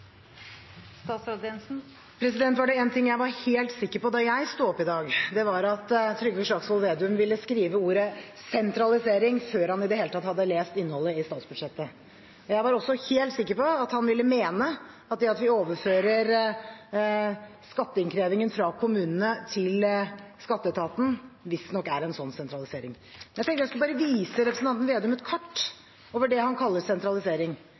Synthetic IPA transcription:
sɑːtsɑd̪ɛnn̩ | pʰɾɛsɪd̪ɛnt̪ʋɑɖɛɛːnt̪ʰɪŋːjæɪʋɑɾheːlt̪sɪkːəɾpɔd̪ɑjæɪst̪uːɔpːɪd̪ɑːɡd̪ɛʋɑɾɑt̪t̪ʰːɾʏɡəfɔʂɑɡsʋɑlʋeːd̪ʉmʋɪlːəskɾiːʋəuːɾə | sɛnt̪ʰɾɑlɪseːɾɪŋføːɾhɑnɪd̪ɛheːlət̪ʰɑt̪hɑd̪ːəleːst̪ɪnːəhɔlːəɪst̪ɑːt̪sb̥ʉd̪ʂɛt̪ːə | ɔjæɪʋɑɾɔsːɔheːlt̪sɪkːəɾpɔɑt̪hɑnʋɪlːəmeːnə | ɑt̪̚d̪ɛɑt̪ʋɪoːʋəɾføːɾəɾ | skɑt̪ːəɪŋkʰɾeːʋɪŋənfɾɑkʰʊmʉːnənət̪ʰɪlskɑt̪ːət̪ʰɑːt̪n̩ʋɪsd̪nɔkːæɾɛnsɔnːsɛnt̪ɾɑlɪseːɾɪŋ | mɛnæt̪ɛŋk̪t̪əɾjæɪskʉləbɑːɾəʋiːsəɾɛpɾsn̩ɑnt̪n̩ʋeːd̪ʉmət̪kʰɑʈː | oːʋəɖɛhɑnkʰɑlːəsɛnt̪ɾɑlɪseːɾɪŋ

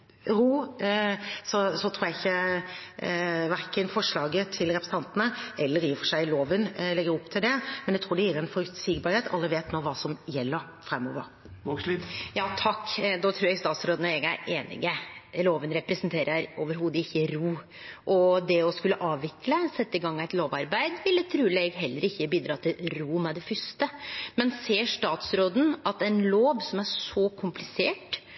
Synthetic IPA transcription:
ɾuː | sɔsɔt̪ʰɾuːjæɪçːə | ʋæɾkənfɔʂɭɑːɡət̪ʰɪlɾɛpʰɾsəɑnt̪ənəɛlːəɾɪːfɔʂæɪloːʋənlɛɡəɾɔpːt̪ʰɪld̪ɛmɛnjæɪt̪ʰɾuːɖɛjiːɾɛnfɔʉt̪siːɡbɑɾheːt̪ʰɑ̰lːəʋeːt̪noːʋɑːsɔmjɛlːəɾ | fɾɛmːɔ̰ʋə̰ɾ | jɑːt̪ʰɑkːd̪ɔːt̪ʰɾuːɾjɛɡst̪ɑːt̪sɾoːd̪ənɔɾɛɡæ̰ɾeːnɪ̰ɡəloːʋənɾɛpɾɛsənt̪ʰeːɾʔəɾoːʋəɾɦuːd̪əɪçːəɾuː | ʔɔd̪ɛɔskʉlːəʔɑːʋʋɪkləsɛt̪ːəɪɡɑŋːæɪt̪loːʋɑɾbæɪd̪ʋɪlːət̪ʰɾʉːɾɛɡɦɛlːəɾɪçːəbiːd̪ɾɑːt̪ʰɪlɾuːmɛd̪ɛfʏst̪əmɛnseːʂt̪ɑːt̪sɾoːd̪n̩ɑt̪æɪnloːʋsɔmæɾʂɔkʰʊmplɪseːʈ

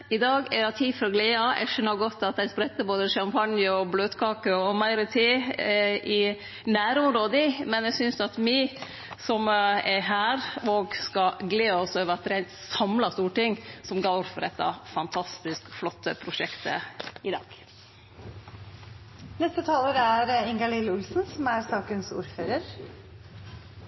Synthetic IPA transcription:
ɪd̪ɑːɡɛɑt̪ʰiːfɔɾɔɡleːɑɛ̰ɡʂœnːəɾɡɔt̪ːɑt̪̚d̪æɪspɾɛt̪ːəboːd̪əʃɑmpʰɑnjəɔbløːd̪kʰɑːkəɔmæɪɾət̪ʰiːʔɪ | næːɾʊmɾoːd̪əmɛnɛɡsʏnsɑt̪mɪ | sɔmɛɦæːɾoːɡskɑɡleːɔsøːʋəɾɑt̪ɾæɪnt̪sɑmlɑst̪uːʈɪŋsɔmɡɑʊɾfɔɾɛt̪ːɑ̰fɑnt̪ʰɑst̪ɪskflɔt̪ːəpʰɾʊʃɛkt̪ʰə̰ɪd̪ɑ̰ːɡ̥ | nɛst̪ət̪ʰɑːləɾæɾɪŋɡɑlɪləʊlsnsɔmæɾsɑːkənsṵːɾføːɾəɾ

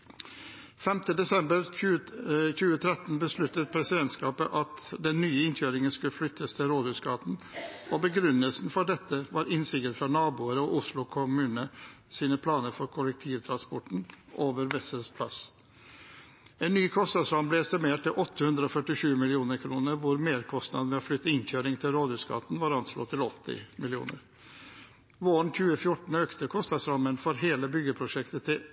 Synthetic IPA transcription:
fɛmt̪əd̪ɛsɛmbəɾʉçʉːət̪ʰɾɛt̪n̩bəslʉt̪ːət̪̚pʰɾɛsɪd̪ɛnt̪skɑːpəʔɑt̪d̪ɛnːyːəɪnçøːɾɪŋənskʉlflʏt̪ʰːəst̪ʰɪlɾoːd̪hʉːskɑːt̪n̩obəɡɾʉnəlsn̩fɔɖɛt̪ːəʋɑːɾɪnsɪɡ̪ət̪fɔɳɑːbuːəɾəɔʔʊslʊkʰʊmʉːnə | siːnəpʰlɑːnəɾfɔɾkʰʊlɛk̚t̪ʰiːʋt̪ʰɾɑnspɔʈɳ̩ʔoːʋəɾʋɛsəspʰlɑ̰s | ɛnːyːkʰɔst̪ɑd̪sɾɑmblɛɛst̪ɪmeːʈ̚t̪ɪlʔɔt̪ːəhʉnd̪ɾəɔːfœʈːɪʂʉːmɪlɪuːnəɾkʰɾuːnəɾʋʊɾmeːɾkʰɔst̪nɑ̰d̪əmɛɔflʏt̪ːəɪnçøːɾɪŋt̪ʰɪlɾoːd̪ʉːskʰɑ̰t̪n̩ʋɑːɾɑnslo̰ːt̪ʰɪlɔt̪ʰːɪ̰mɪlɪṵːnə̰ɾ | ʋoːəɳ̩çʉːəfjʊʈɳ̩øːkt̪əkʰɔst̪ɑd̪sɾɑmənfɔɾɦeːləbʏɡəpʰɾʊʂɛkt̪ət̪ʰɪ

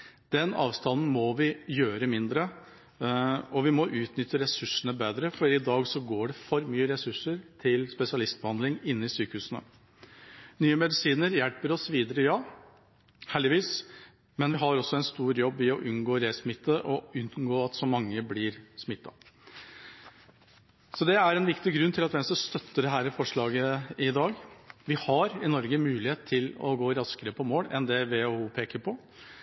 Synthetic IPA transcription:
d̪̥ɛnɑ̰ːʋst̪ɑnn̩mɔʋɪjøːɾəmɪnd̪ɾə | ɔʋɪmɔʔʉːt̪nʏt̪ːəɾɛsʉʂəɳəbeːd̪ɾəfɔɾɪd̪ɑːɡsɔɡoːɖɛfɔɾmyːəɾɛsʉʂəɾt̪ʰɪlspɛsɪɑlɪst̪̚bəhɑnd̪lɪŋɪnːəɪsyːkəhʉːsənə̰ | nyːəmɛd̪ɪsiːnəɾjɛlpəɾɔsʋiːd̪əɾəjɑː | hæːɭd̪ɪʋiːs | mɛnʋɪɦɑɾɔsːɔɛnst̪uːɾjɔbːɪɔʔʉnɡoːɾeːsmɪt̪ːəʔɔʉnɡoːɑt̪sɔmɑŋːəblɪːɾsmɪt̪ːɑ̰ | sɔd̪ɛæɾɛnʋɪkt̪ɪɡɾʉnt̪ʰɪlɑt̪ʋɛnsɔst̪œt̪ːəd̪ɛɦæːɾɪfɔʂɭɑːɡəɪd̪ɑːɡʋɪhɑɾɪnɔɾɡəmʉːlɪheːt̪ʰːɪlɔ̰ɡoːɾɑskəɾəpʰɔmoːɽɛ̰nd̪ɛʋɛuːpʰeːkəɾpʰɔ

